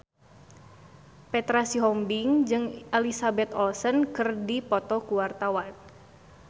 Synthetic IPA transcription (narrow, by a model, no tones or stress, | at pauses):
pɛt̪ɾasiɦɔmbiŋd͡ʒɨŋalisabɛt̪ɔlsənkɨrdipɔt̪ɔkuwart̪awan